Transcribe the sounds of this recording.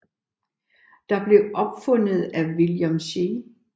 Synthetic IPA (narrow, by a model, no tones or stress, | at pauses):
d̥ɑ̈b̥le̝ʔɒ̽b̥fɔ̽n̰ð̩ˠæʋiljɒmɕe